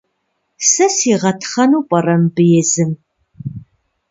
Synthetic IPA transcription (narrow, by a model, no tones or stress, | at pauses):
sɐsiːʁɐtʰχɐnuːpʷʼɐrɐmbɨjɛzɨm